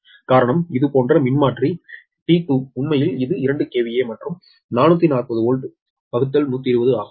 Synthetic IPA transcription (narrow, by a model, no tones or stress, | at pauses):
kaːɾɐɳɐmɪðɯpoːndrɐmɪnmaːʈri | tiːʈːuʊɳmɐjɪlɪðɯɪɾɐɳɖɯkeːʋɪjeːmɐʈrɯm | naːnut̪ːinaːrpɐðɯoːɻɖɯ | pɐɣɯt̪ːɐlnuːt̪̬ːiɾɯʋɐðɯaːɣɯm